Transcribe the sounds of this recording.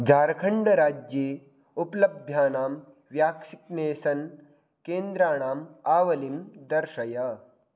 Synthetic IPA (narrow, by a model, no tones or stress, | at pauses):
d͡ʒaːɾkʰɐɳɖɐɾaːd͡ʒje | uplɐbʱjaːnaːm | ʋjaːksikneːsɐn | keːnd̪ɾaːɽ̃aːmaːʋɐlimd̪ɐɾʃɐjɐ